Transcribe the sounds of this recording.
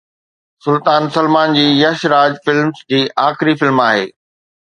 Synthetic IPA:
sʊlt̪aːnsɐlmaːnd͡ʑiːjɐʃɾaːd͡ʑfɪlmsd͡ʑiːʔaːxɪɾifɪlmaːɦḛː

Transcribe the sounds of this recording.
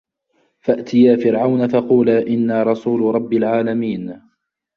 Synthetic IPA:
faʔt̪ɪjaːfɪɾʕawnafɑquːlaːʔɪnːaːɾˤɑsuːlɾˤɑbːalʕaːlamiːn

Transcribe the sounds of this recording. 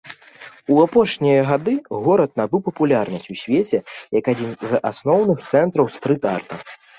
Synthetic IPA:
uapɔʂnʲijɐɣad̪ɨɣɔɾɐt̪̚nabɨwpɐpulʲarnɐsʲt͡sʲusʲvʲet͡sʲɛjɐkad͡zʲinza̰snɔwnɨxt̪sɛnt̪ɾɐwst̪ɾɨt̪a̰rt̪ɐ̰

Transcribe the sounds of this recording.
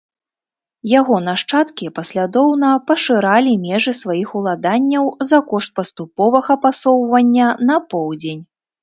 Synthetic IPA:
jaɣɔnaʂt͡ʂat̪kʲipɐsʲlʲad̪ɔwnɐpɐʂɨɾalʲimʲɛʐɨsvajixulˠad̪anʲːɐwzɐkɔʂt̪̚pɐst̪upɔvɐɣɐpasɔwvɐnʲːɐnɐpɔwd͡zʲenʲ

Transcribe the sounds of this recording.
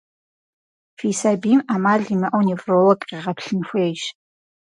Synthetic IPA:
fisabimamaɮimɨʔownivrowɐkʼqiʁapʰɬɨnxʷejʃ

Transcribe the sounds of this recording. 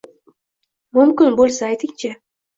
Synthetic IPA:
mʊmkʲɪnbolˠsaajt̪ʰɪŋt͡ʃʰɪ

